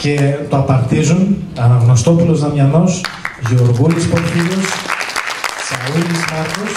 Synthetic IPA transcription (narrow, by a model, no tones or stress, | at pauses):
ce̞t̪oɐpɐɾt̪izunɐnɐɣnost̪o̞pulo̞zðɐmɲɐno̞sʝeoɾɣunispoçiɾos | sɐuilizmɐɾkos